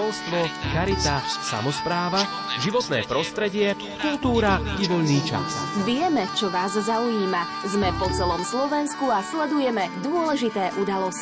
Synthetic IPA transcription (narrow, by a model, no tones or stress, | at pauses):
ɔlst̪ʋɔkaɾit̪asa̰mɔspɾaːʋa | ʒiʋɔt̪nɛ̰ːpɾɔst̪ɾɛɟɪɛ | kult̪uːɾaiʋɔʎniːt͡ʃa̰sʋɪɛmɛt͡ʃɔʋaːzzaujiːma | zmɛpɔt͡sɛlɔmslɔʋɛnskuaslɛd̪ujɛmɛd̪ʊɔlɛʒit̪ɛːʔud̪alɔs